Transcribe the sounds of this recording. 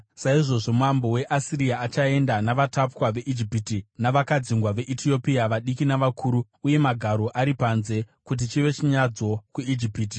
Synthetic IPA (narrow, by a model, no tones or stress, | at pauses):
saiʐo̞ʐo̞muambo̞we̞ʔasiɾiaːt͡ʃae̞ndanaʋatapkwaʋe̞ʔid͡ʒipitinaʋakad͡ziŋɡwaʋe̞ʔitʰio̞piaʋaɗikinaʋakʰuːɾu | uje̞maɡʱaɾo̞ʔaɾipanze̞ | kut̬it͡ʃiʋe̞t͡ʃiɲad͡zo̞kuid͡ʒipiːti